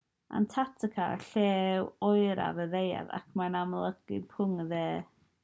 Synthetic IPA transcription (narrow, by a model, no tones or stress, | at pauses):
ʔa̰ntʰatʰəkʰarɬɛːwɔjɾa̰vəðeja̰ða̰kʰmanamlˠəɡ̥ɪpʰʊŋðɛː